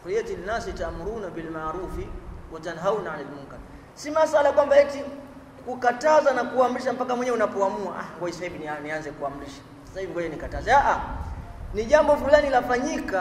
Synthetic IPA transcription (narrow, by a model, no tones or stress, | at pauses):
kɔɾiɛtilinasitamuɾunabilmaɾufiwatanɦaunaalɛdmuŋkan | simasalakwambajɛti | kukatazanakuam̩ɾiʃ̬am̩pakamwɛɲɛunapɔamua̰ʔa̰ŋɡɔisahivinianianzɛkuamuɾiʃḁ | sasaivikwajanikatazɛaʔa | niʄambɔfulanilafaɲika